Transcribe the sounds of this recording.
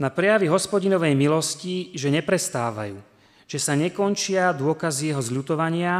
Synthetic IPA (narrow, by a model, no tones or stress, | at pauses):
napɾɛjaʋiɦɔspɔɟinɔʋɛjmilɔsciʒɛɲɛpɾɛst̪aːʋa̰juː | ʒ̥ɛsaɲɛkɔnt͡ʃɪad̪ʊɔkazijɛɦɔzʎut̪ɔʋaɲɪa